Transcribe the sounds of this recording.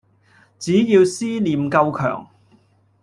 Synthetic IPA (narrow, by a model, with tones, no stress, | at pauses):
t͡siː˨˥jiː˧wsiː˥liː˨˧mkɐ˧wkʰœ̰ː˨˩ŋ